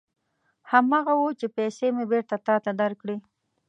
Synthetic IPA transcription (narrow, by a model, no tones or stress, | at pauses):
hamɑɣawot͡ʃepɛsemebeɾt̪at̪ɑt̪ad̪aɾkɽi